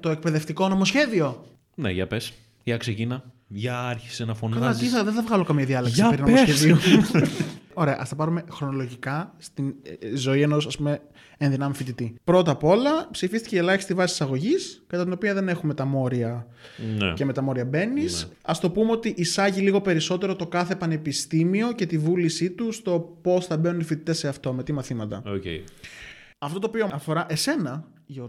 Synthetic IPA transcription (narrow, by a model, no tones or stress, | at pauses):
t̪o̞e̞k̚pe̞ðe̞ft̪iko̞no̞mo̞sçe̞ðio̞ | nḛʝɐ̰pes | ʝɐkseʝinɐ | ʝɐɐɾçi̥senɐfontiθɐðenθɐvɣɐlo̞kɐmiɐðiɐleksipɾinomosçeðio | oɾe̞ɐ̰ʔɐst̪ɐpɐɾume̞xɾo̞no̞lo̞ʝikɐst̪inzo̞ieno̞sɐspume̞ː | nðinɐmifit̪it̪ipɾo̞t̪ɐpo̞lɐpsifist̪i̥ceelɐçist̪ivɐsi̥sisɐɣo̞ʝiskɐt̪ɐt̪ino̞piɐðe̞ne̞xume̞t̪ɐmo̞ɾiɐ | n̰cemet̪ɐmo̞ɾiɐbe̞nis | ɐst̪o̞pumeo̞t̪iʔːsɐʝiliɣo̞pe̞ɾiso̞t̪e̞ɾo̞t̪o̞kɐθe̞pɐne̞pist̪imio̞ce̞t̪ivulisit̪ust̪o̞po̞sθɐbe̞nunifit̪it̪ese̞ɐft̪o̞me̞t̪imɐθimɐt̪ɐ̰ocḛ | ɐft̪o̞t̪oːpio̞ɐfo̞ɾɐʔe̞se̞nɐ | ʝo